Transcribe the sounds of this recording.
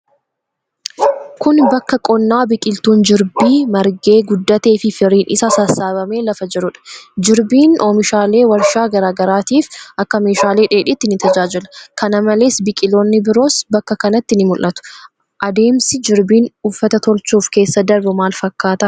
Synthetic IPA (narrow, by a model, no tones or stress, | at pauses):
kʊnbɐkːɐkʼɔnːaːbɪkʼɪlt̪uːnd͡ʒɪɾbiːmɐɾɡe̞ːɡʊd̪ːɐt̪e̞ːfɪfɪɾiːnʔɪsɐsɐsːaːbɐme̞ːlɐfɐd͡ʒɛɾʊᶑɐ̥d͡ʒɪɾbiːnʔoːmɪʃaːle̞ːwɐɾʃaːɡɐɾaːɡɐɾaːt̪iːfʔɐkːɐme̞ːʃaːle̞ːᶑe̞ːᶑɪt̪ːɪnɪt̪ɐd͡ʒaːd͡ʒɪlɐ̥kɐnɐmɐle̞ːsbɪkʼɪloːnːɪbɪɾo̞ːsbɐkːɐkɐnɐt̪ːɪnɪmʊlʔʔɐt̪ʊ̥ | ʔɐd̪e̞ːmsɪd͡ʒɪɾbiːnʊfːɐt̪ɐt̪ɔlt͡ʃuːfke̞ːsːɐd̪ɐɾbʊmaːlfɐkːaːt̪ɐ